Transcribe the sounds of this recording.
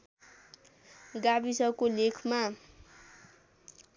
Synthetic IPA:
ɡabisʌkolekʰma

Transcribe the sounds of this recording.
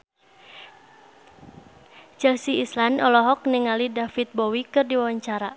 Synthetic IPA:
d͡ʒ̥ɛlsiislanɔlɔɦɔk̚niŋalidafit̪̚bɔwikɨrdiwawaɲt͡ʃaɾa

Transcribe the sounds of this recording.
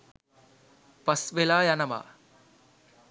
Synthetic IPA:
pɐsʋelaːjanɐʋa̰ː

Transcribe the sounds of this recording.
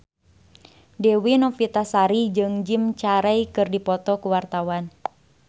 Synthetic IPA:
dɛwinɔfit̪asaɾid͡ʒɨŋd͡ʒimt͡ʃaɾɛjkɨrdipɔt̪ɔkuwart̪awan

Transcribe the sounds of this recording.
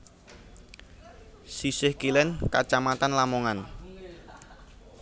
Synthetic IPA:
sisɪhkilɛnka̰t͡ʃamat̪anlamoŋan

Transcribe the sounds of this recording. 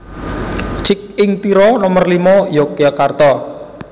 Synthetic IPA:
t͡ʃɪk̚ɪŋt̪iɾɔnɔmərlimɔjɔkjakart̪ɔ

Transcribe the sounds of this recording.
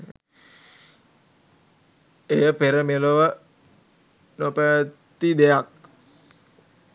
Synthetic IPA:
ejəpeɾəmeloʋə | nopətt̪ːid̪ejak̚

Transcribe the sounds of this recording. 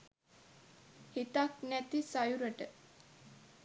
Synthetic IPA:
hit̪aknæt̪isajuɾəʈə

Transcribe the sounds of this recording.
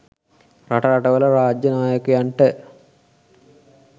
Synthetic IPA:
ɾɐʈɐɾɐʈɐʋɐlɐɾaːd͡ʒjɐnaːjɐkujɐɳʈe

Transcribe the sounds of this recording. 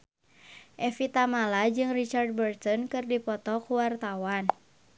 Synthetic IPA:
ʔɛfit̪amalad͡ʒɨŋrit͡ʃard̚bərt̪ɔnkɨrdipɔt̪ɔkuwart̪awan

